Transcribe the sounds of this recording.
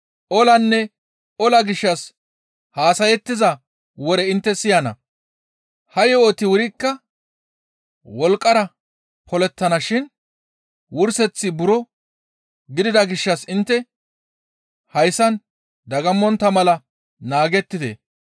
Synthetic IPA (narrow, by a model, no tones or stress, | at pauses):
ʔɔlɐnːɛ | ɔlɐɡɪʃːɐs | haːsɐjɛt̪ːɪzɐ | wɔɾɛɪnt̪ːɛsɪjɐnɐ̰ | hɐjɛoːt̪ɪwʊɾɪkːɐ | wɔlkʼːɐɾɐ | pʰɔlɛt̪ːɐnɐʃɪn | wʊɾsɛt͡sːɪbʊɾɔ | ɡɪd̪ɪd̪ɐɡɪʃːɐsɪnt̪ːɛ | hɐjsɐn | d̪ɐɡɐmːɔnt̪ːɐmɐlɐ | naːɡɛt̪ːɪd̪ḛ